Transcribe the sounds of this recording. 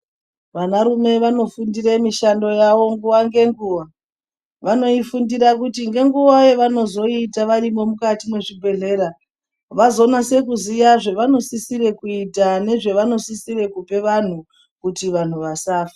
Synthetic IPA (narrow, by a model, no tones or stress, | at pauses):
ʋanaɾume̞ʋano̞fundiɾemiʃando̞jawo̞ŋɡuʋaŋɡe̞ŋɡuːwa | ʋano̞ifundiɾakutiŋɡe̞ŋɡuwajeʋano̞zo̞itaʋarimo̞mukatimweʐibʱe̞ɮe̞ːɾa | ʋazo̞nase̞k̬uzijaʐe̞ʋano̞sisire̞kuitane̞ʐe̞ʋano̞sisire̞kupe̞ʋan̤u | kutiʋan̤uʋasaːfḁ